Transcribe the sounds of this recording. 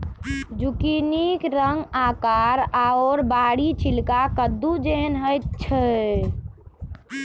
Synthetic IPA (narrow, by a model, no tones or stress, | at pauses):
d͡ʒukinikɾəŋɡakaɾaɔɾbaɽit͡ʃʰilkakəd̪ːud͡ʒeɦənɦəjt̪̚t͡ʃʰə